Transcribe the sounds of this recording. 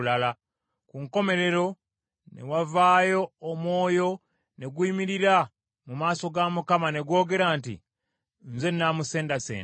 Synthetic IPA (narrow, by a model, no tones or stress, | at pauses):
lala | kuŋko̞me̞ɾe̞ɾo̞ | nḛwavaːjo̞ːmwo̞ːjo̞ | ne̞ɡwiːmiɾiɾa | mumaːso̞ɡamukamane̞ɡwo̞ːɡe̞ɾantḭ | nze̞nːamuse̞ːndasḛːnd